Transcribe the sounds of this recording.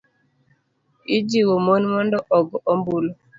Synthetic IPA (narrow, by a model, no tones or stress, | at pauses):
id͡ʒiwomonmɔndɔʔɔɡɔmbulo